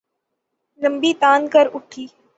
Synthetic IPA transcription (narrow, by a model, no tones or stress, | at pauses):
nə̃mbiːt̪aːnkəɾʊʈʰiː